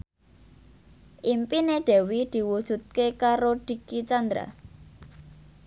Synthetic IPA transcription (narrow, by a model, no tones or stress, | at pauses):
ʔimpineɖ̥ɛ̤wid̪̥i̤wud̥ʒ̥ṳt̪̚kekaɾoɖ̥i̤kit͡ʃand̪ɾa̰